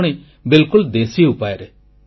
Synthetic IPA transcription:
ɽ̃e | bɪlkʊld̪eːsiʊpaːeɾ

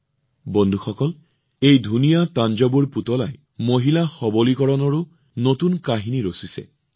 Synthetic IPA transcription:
bondʱuxɔkɔl | ejdʱunijatand͡ʒɔbuɹputɔlaj | moɦilaxɔbolikɔɹɔnɔɹu | notunkaɦiniɹosisɛ̰

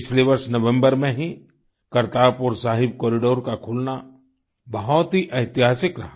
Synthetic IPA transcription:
pɪt͡ʃʰleʋɐɾsnɐʋə̃mbəɾmẽɦĩ | kɐɾt̪aːpʊːɾsaːɦɪb̚kɔːɾɪɖoːɾkakʰʊlna | bɐɦɔt̪ɦiʔɐɪt̪ɪɦaːsɪkɾɐɦa

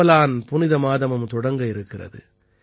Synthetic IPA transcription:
ɐlaːnpʊnɪðɐmaːðɐmɐmt̪ɔɽɐŋɡɐɪɾɯkːɪrɐ̰ðɯ̰

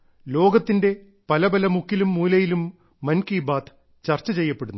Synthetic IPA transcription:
lo̞ːɡɐt̪ːinde̞ | pɐlɐbɐlɐmukːilumːuːlɐjilumː | ɐnkiːbaːt̪ʰ | t͡ɕɐrt͡ɕːɐt͡ɕe̞jːɐpːe̞ɽunː

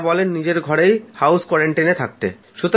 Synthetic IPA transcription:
bɔlenːid͡ʑeɾɡʱɔɾejhawskwɔɾeɳʈinet̪ʰak̚t̪ḛ | ʃut̪o

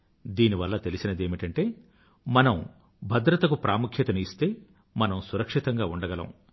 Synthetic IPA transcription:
d̪iːniʋɐlːɐt̪e̞lisinɐd̪e̞ːmiʈɐɳʈe̞ː | mɐnɐm | bʱɐd̪ɾɐt̪ɐkupɾaːmukʰjɐt̪ɐniːst̪e̞ː | mɐnɐmsuɾɐkʂit̪ɐŋɡaːuɳɖɐɡɐlɐ̰m

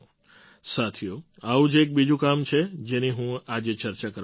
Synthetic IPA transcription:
sat̪ʰijo | aʋũd͡ʒek̚bid͡ʒʱũkamt͡ʃʰed͡ʒeniɦũad͡ʒet͡ʃəɾt͡ʃakəɾ

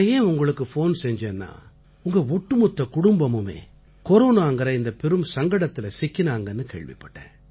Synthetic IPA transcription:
ɐjeːʊŋɡɐɭɯkːɯfoːnsɛɲd͡ʒeːnːa̰ː | ʊŋɡɐɔʈːɯmɔt̪ːɐkʊɽʊmbɐmɯmḛː | kɔɾoːnaːŋɡɐɾɐɪnd̪ɐpɛɾɯmsɐŋɡɐɽɐt̪ːɪlɐsɪkːɪnaːŋɡɐnːɯkḛːɭʋɪ̰pːɐʈːḛ̃ː

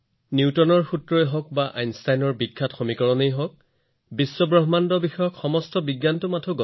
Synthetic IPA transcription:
nuwtɔnɔɹxutɹɔeɦɔkbaʔa̰jnstajnɔɹbikʰːatxomikɔɹɔnejɦɔk̚ | bisːɔbɹɔɦmandɔbixɔjɔkxɔmɔstɔbiɡːantʊmatʰɔɡɔ

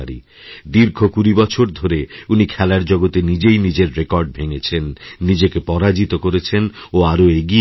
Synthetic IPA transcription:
aɾḭ | d̪iɾɡʱokuɾibɔt͡ɕʰoɾd̪ʱoɾeunikʰɛlaɾd͡ʑɔɡot̪enid͡ʑejnid͡ʑeɾːekɔɾɖ̚bʱeŋet͡ɕʰenːid͡ʑekepɔɾad͡ʑit̪okoɾet͡ɕʰenoaɾoeɡi

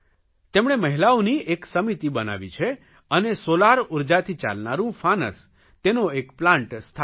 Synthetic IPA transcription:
t̪emɳ̃eməɦilaonieksəmit̪ibəna̰ʋḭt͡ʃʰe | ənesolaɾuɾd͡ʒat̪ʰit͡ʃa̰lnaɾũfanə̰s | t̪enoekplãɳʈst̪ʰ

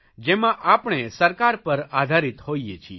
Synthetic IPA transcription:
d͡ʒemãʔapɳ̃esəɾkaɾpəɾad̪ʱaɾit̪hoijet͡ʃʰḭ

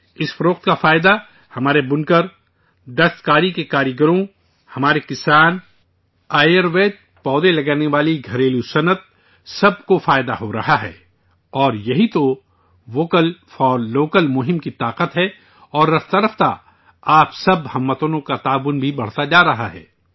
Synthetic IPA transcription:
ɪsfɐɾoːqt̪kafaːɪd̪a | hɐmaːɾebʊnkəɾ | d̪ɐst̪kaːɾikekaːɾjəɡəɾõ | hɐmaːɾekɪsaːn | aːjəɾʋeːd͡ʒ | pɔːd̪elɐɡaːneʋaːliɡʱɐɾeːlusɐnət̪̚ | sɐbkofaːɪd̪a̰ɦoɾɐ̰ɦaɦɛ̰ː | ɔːɾjɐɦit̪o | ʋoːkəlfɔːloːkəlmʊɦɪ̃mkit̪aːqət̪ɦɛ | ɔːɾːɐft̪ɐɾəft̪a̰ | aːpsɐbhɐmːət̪onõkat̪aːʋʊnbʱibɐɽ̤t̪ad͡ʒaːɾɐɦa̰ɦɛ̰ː

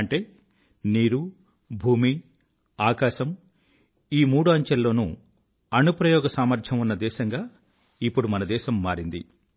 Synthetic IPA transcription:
ɐɳʈe̞ː | niːɾu | bʱuːmi | aːkaːʃɐm | iːmuːɽuɐɲt͡ʃɐlːo̞ːnṵ | ɐnupɾɐjɔːɡɐsaːmɐɾd̪ʱɐmunːɐd̪ɛːʃɐŋɡaː | ipːuɽumɐnɐd̪ɛːʃɐmːaːɾind̪ḭ

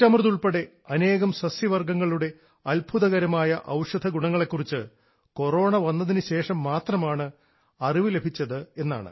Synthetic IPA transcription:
tːɐmrðuɭpeɽe̞ | ɐne̞ːɣɐmsɐsjɐʋɐrɡɐŋːɐɭuɽe̞ | ɐlbʱuðɐɣɐɾɐmaːjɐʔɐwʂɐd̪ʱɐɡuɳɐŋːɐɭe̞kːurit͡ɕːɨ | ko̞ro̞ːɳɐʋɐnːɐðinɨɕe̞ːʂɐmːaːt̪rɐmaːɳɨ | ɐriʋɨle̞bʱit͡ɕːɐðɨe̞nːa̰ːɳɨ̰

